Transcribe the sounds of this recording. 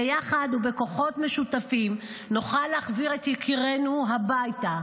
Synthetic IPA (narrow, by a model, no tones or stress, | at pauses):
ejaχad̪ube̞ko̞χo̞tme̞ʃutafim | noχalːeːχziʁet̪jekʰiʁe̞nuɦabajta